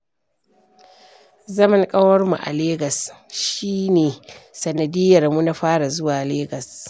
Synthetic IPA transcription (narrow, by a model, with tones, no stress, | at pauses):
zɐ˦mɐ˦ŋkʼɐ˦wɐ˦rmu˨ʔa̰˨leː˦ɡɐ˨sʃiː˦neː˨sɐ˨nɐ˨dɪ˦jːɐ˨rmu˦na˦ɸaː˦ɽa˨zʊ˦waː˨leː˦ɡɐ˨s